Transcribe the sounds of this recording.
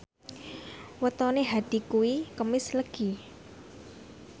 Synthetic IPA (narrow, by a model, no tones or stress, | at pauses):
wət̪ɔneɦad̪̥i̤kuwikəmɪsləɡ̥i